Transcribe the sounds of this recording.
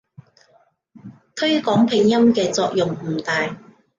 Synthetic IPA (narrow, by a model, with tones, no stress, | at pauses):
t̪ʰɵ˥ɥkɔː˨˥ŋpʰɪ˨˩ŋjɐ˥mkɛː˧t͡sɔː˧k̚jʊ˨ŋm̩ː˨˩t̪aː˨j